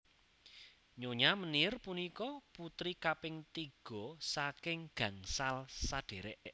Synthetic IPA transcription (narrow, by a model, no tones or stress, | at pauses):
ɲoɲamənirpunikɔput̪ɾikapɪŋt̪iɡ̥ɔ̤sakɪŋɡ̥ä̤ŋsalsaɖ̥e̤ɾɛʔ